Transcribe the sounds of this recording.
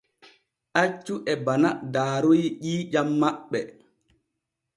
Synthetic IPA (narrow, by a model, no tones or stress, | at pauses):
ʔat͡ʃːuʔɛbanadaːɾojʄiːd͡ʒamːaɓːɛ